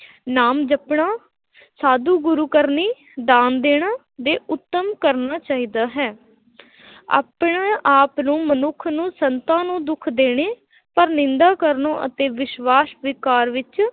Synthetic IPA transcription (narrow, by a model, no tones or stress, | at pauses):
naːmd͡ʒəpɳaː | saːd̪uːɡʊɾuːkəɾniː | d̪aːnd̪eːɽ̃aː | d̪eːʔʊt̪ːəmkəɾnaːt͡ʃaːɦiːd̪aːɦɛː | a̰ːpɳaːʔaːpnũːmənʊkʰnũːsənt̪ãːnũːd̪ʊkʰd̪eːɽ̃eː | pəɾnɪ̃nd̪aːkəɾnõːʔə̰t̪eːʋɪʃʋaːsʋɪkaːɾʋɪt͡ʃ